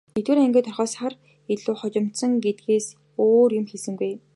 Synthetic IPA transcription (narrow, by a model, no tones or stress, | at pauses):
net̪wɘ̆ɾæŋɡʲeːt̪ʰɔrχœːsχar | eɮuːχɔt͡ɕɪ̆m̥t̪sə̆ŋɡet̪̚ɡeːs | oːrjʊmxeɮsɘ̆ŋɡuj